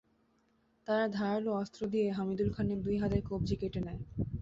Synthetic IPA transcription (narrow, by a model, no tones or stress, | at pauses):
t̪aɾad̪ʱaaloɔst̪ɾod̪ijeɦamid̪ulkʰaned̪ujɦad̪eɾkobd͡ʑikeʈenɛe